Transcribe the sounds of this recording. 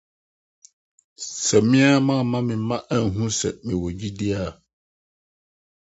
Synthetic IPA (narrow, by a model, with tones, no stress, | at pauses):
sɛ˨mɪ̃˦a˦mã˦˨mã˦mɪ̃˨˦mã˦ʔæ˨n̩˨ɦũ˦sɛ̰˨mɪ̃˨wɔ˨d͡ʑi˦dɪ˦a˨